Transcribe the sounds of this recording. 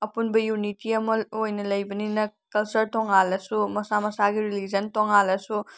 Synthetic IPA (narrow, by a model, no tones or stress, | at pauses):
ɐpunbɐjunitiɐmɐojnɐlɐjbɐninɐkɐlt͡ʃɐɾtɔŋalɐsumɐsamɐsaɡiɾilid͡ʒɐntoŋalɐsu